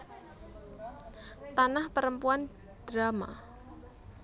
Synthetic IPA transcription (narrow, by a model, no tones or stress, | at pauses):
t̪anahpəɾəmpuan | d̥ɾama̰